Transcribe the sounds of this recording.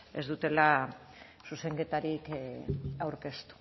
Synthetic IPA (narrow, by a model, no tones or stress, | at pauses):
e̞̰zd̪ut̪e̞la | suse̞ŋɡe̞t̪aɾik | awɾke̞st̪u̥